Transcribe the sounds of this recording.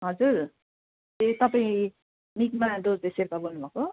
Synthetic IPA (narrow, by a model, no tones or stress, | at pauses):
ɦʌd͡zuɾ | t̪et̪ʌpaĩ | nikmad̪od͡zd̪eseɾp̪abʱonːubako